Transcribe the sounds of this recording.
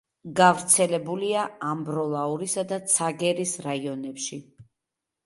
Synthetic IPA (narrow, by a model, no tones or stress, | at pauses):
ɡavɾt̪sʰɛlɛbuliaambɾɔlˠauɾisad̪at̪sʰaɡɛɾisɾaiɔnɛpʃi